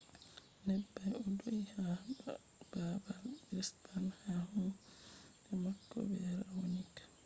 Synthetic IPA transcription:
nɛbːajɔdojha | b̥abalɾispanhahu | ɛmakːɔ̰bɛɾawonikḁ

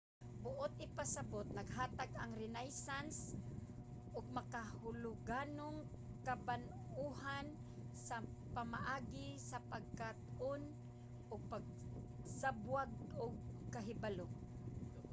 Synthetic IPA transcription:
bʊʔʊt̪ʔɪpasabʊt̪̚naɡɦaːt̪aɡaŋɾɪnajsans | ʔʊɡ̚makahʊlʊɡaːnʊŋ | kaban | uhan | sapamaʔaːɡɪsapaɡ̚kat̪ʊn | ʔʊɡ̚paɡ̚ | sabwaɡʊɡ̚kaɦɪbalo

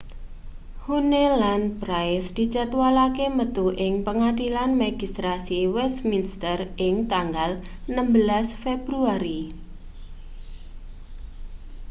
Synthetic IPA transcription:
hunelanpɾajsd̪̥i̤t͡ʃat̪walakemət̪uʔɪŋpəŋadilanmeɡist̪ɾasiwɛsminst̪ərʔɪŋt̪aŋɡal | nəmbəlasfeb̥ɾuaɾi

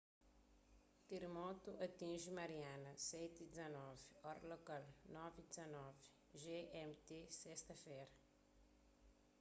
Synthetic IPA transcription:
t̪eɾemɔt̪uʔɐt̪ĩʒimɐɾianɐsɛjt̪id̪izɐnɔvɔɾɐlokalnɔvid̪izɐnɔvi | ʒeɛmt̪esɛst̪ɐfɛjɾɐ

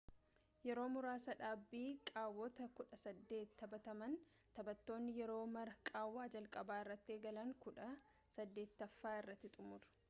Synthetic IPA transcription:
jɛɾo̞ːmʊɾaːsɐᶑaːbːiːkʼaːwːɔt̪ɐkʊᶑɐsɐd̪ːe̞ːt̪ʰːɐbɐt̪ɐmɐn | t̪ɐbɐt̪ːo̞ːnːɪjɛɾo̞ːmɐɾɐkʼaːwːaːd͡ʒɐlkʼɐbaːɪrːɐt̪ːɪeːɡɐlɐŋkʊᶑɐ | sɐd̪ːe̞ːt̪ːɐfːaːɪrːɐt̪ːɪt̪ʼʊmʊᶑ̪ʊ̥

